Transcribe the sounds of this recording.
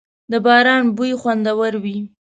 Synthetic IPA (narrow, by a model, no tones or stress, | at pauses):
d̪əbɑɾɑnbujxwand̪awəɾwi